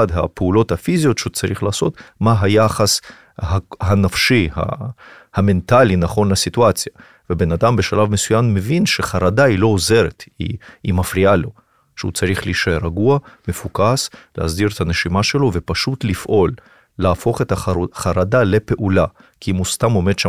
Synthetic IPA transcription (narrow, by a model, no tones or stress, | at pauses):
ad̪ɦapeulo̞t̪hafizijo̞t̪ʃeut͡saʁiχlaːso̞t̪maɦajaχas | haɦanafʃiha̰ | hame̞nt̪alinaχo̞nlasituat͡sja | vebe̞nad̪ambeʃalavmesujamːevinʃeχaɾad̪ailo̞ozeɾet̪ḭimafɾialo̞ | ʃeut͡saɾiχliʃeɾaɡuamefukaslehazd̪iɾet̪ʰaneʃimaʃe̞lo̞ve̞paʃut̪lifʔo̞lː | eːfo̞χet̪aχaɾad̪alepe̞ʔula | kiimust̪amo̞med̥̪ʃa